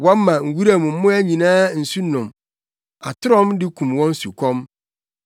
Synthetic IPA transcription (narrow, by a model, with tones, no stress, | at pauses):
wɔ̃˦m˦mã˨ŋ̩˨wu˦ɾa˦˨mũ˨m̩˦mʊ̃˦æ˦ɲĩ˨nãː˦n̩˨su˦nʊ̃˨m | a̰˨tʰɪ˦ɾɔ̃˦mdɪ˦kʰũ˨mwɔ̃˦n˦su˨kʰɔ̃˦m